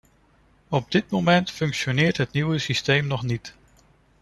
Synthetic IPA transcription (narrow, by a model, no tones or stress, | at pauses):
ɔb̚dɪt̚mowmɛntfɵŋkʃonɪːɹtɦətniwəsistejmnɔχnit